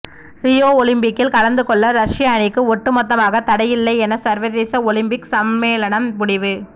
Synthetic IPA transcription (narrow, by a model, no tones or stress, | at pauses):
ɾɪjoːɔlɪmpɪkːɪlkɐlɐnd̪ɯkɔɭːɐɾɐʂɪjaːnɪkːɯɔʈːɯmɔt̪ːɐmaːɣɐt̪ːɐɽɐjɪlːɐɪɛnɐsɐɾʋɐðeːsɐɔlɪmpɪksɐmːeːlɐɳɐmmʊɽɪʋɯ